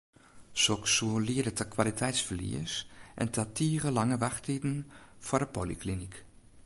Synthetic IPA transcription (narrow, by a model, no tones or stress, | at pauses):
soksuliədətəkʰʋalitʰɛjtsfəɹlḭəsʔɛ̰ntʰatʰiːrəlɑŋəʋɑxtidn̩fʊːdəpoliklinik